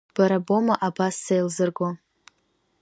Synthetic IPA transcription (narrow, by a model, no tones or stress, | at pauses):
b̥aɾabo̞maʔabasːejlzɨrɡo